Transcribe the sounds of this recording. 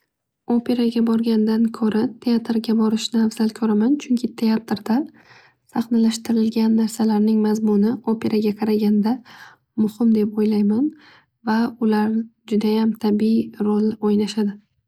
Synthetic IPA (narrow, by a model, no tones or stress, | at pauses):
opʰe̞ɾaɡʲabɒɾɡʲand̪ankʰɵɾat̪ʰe̞at̪ɾɡʲabɒɾɪʃnɪafz̥alkʰɵɾamant͡ʃʰʊŋkʲʰɪt̪ʰe̞at̪ɾd̪̥a | sɑχnalaʃt̪ɪɾɪlɡʲanːaɾsalaɾnɪŋmazmʊnɪopʰe̞ɾʔaɡʲaqʰɑɾaɡʲand̪a | mʊhɪmd̪e̞pojlajman | vaʊlaɾɪd͡ʒʊd̪ajamt̪ʰabiiɾolˠojnaʃad̪ɪ